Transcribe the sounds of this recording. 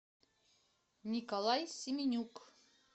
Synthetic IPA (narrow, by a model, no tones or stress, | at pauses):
nʲikolˠɑjsʲimʲinʲuk